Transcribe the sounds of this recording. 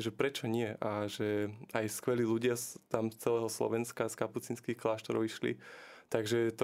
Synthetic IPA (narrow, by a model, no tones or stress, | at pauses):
ʒɛpɾɛt͡ʃɔɲɪɛʔaʒɛajskʋɛliːluɟɪast̪amst͡sɛlɛːɦɔslɔ̰ʋɛnskaskaput͡siːnskixklaːʃt̪ɔɾɔʊiʃlḭt̪aɡʒɛt̪